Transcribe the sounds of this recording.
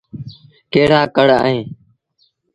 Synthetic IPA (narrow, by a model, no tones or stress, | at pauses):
keːɽaːkəɽa̰ːɦẽː